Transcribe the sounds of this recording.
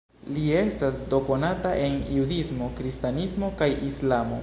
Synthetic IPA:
lie̞stasdo̞ko̞nataʔe̞njudismo̞kɾistanismo̞kajislamo̞̰

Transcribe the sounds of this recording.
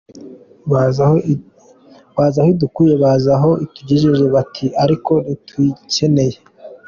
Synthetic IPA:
βaːzahoidukujeβaːzaɦo̞ituɟiʒeʒe̞βatʰiʔaɾiko̞nituice̞ne̞je̞

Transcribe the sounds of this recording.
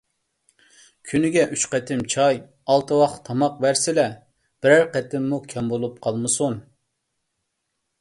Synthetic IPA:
kʲʰynɪɡʲɛʔyt͡ʃqɛt̪ʰɪmt͡ʃʰɑj | ɑlˠt̪ʰɨwɑχt̪ʰɑmɑq̚bæɾsɪlɛ | b̥ɪɾæɾqɛt̪ɪmːukʲʰɛmbolˠup̚qʰɑlˠmɨsun

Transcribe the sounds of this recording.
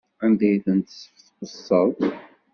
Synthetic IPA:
ænd̪æjθənt̪sːə̥fθqəsˤːəɾ

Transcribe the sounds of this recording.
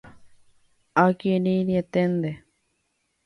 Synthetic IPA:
akininiet̪end̪e

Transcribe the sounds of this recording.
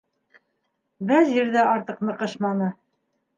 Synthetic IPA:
bæðjɘ̆ɾðæʔɑɾt̪ɤ̆qnɤ̆qɤ̆ʃmɑnɤ

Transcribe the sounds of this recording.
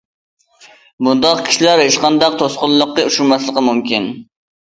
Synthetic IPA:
bund̪ɑqkʲʰi̥ʃilæɾeʃqɑnd̪ɑq̚t̪ʰosqʊllˠːʊqːəuʃumɑslˠəqəmumkʲin

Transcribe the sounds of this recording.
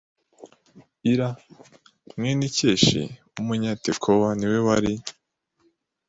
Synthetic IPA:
iɾa | mŋeniceʃḭ | umuɲatekʰowaniwewaɾi

